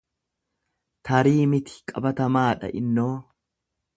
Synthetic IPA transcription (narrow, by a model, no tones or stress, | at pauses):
t̪ɐɾiːmɪt̪ɪ̥kʼɐbɐt̪ɐmaːᶑɐ̰ʔɪnːoː